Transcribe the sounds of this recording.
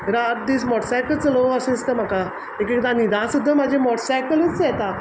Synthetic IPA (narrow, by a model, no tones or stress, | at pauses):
ɾaʈ̚d̪ismɔʈsajkəlt͡səloəsẽst̪əm̤aka | ekekd̪ãnid̪ãsud̪ʱːəmad͡ʑʱẽmɔʈsajkələt͡st͡sjɛt̪a